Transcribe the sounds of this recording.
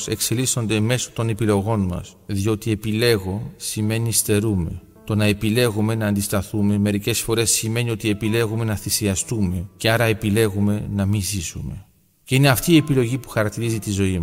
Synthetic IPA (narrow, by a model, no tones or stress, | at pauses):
se̞kse̞liso̞nd̪e̞me̞so̥t̪o̞ne̞pilo̞ɣo̞nmɐ̰s | ðio̞t̪ie̞pile̞ɣo̞sime̞nist̪e̞ɾume̞̰ | t̪o̞nɐe̞pile̞ɣume̞nɐːnd̪ist̪ɐθume̞me̞ɾice̞sfo̞ɾe̞sːime̞nio̞t̪ie̞pile̞ɣume̞nɐθisiɐst̪ume̞ce̞ɐɾɐepile̞ɣume̞nɐmizisṵme̞ | ce̞ine̞ɐft̪iːepilo̞ʝipu̥xɐɾɐk̚t̪iɾizit̪izo̞im